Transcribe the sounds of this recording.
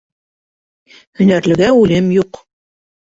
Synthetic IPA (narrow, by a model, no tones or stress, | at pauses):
hɵ̆næɾlɘ̆ɡæʉlɘmjuq